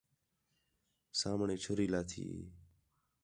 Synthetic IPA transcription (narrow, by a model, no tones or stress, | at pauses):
saːmɳeːt͡ʃʰʊɾiːlaːt̪ʰḭː